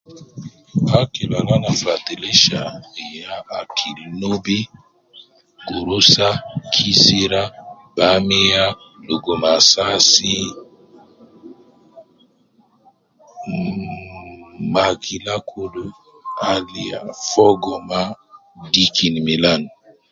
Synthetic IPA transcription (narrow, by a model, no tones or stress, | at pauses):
akilalanafɾat̪ileʃaijaakʰilnobi | ɡoɾosakʰisiɾa | bamija | loɡomasasi | makʰilakʰodo | alia̰fɔɡɔma | dikʰinmilan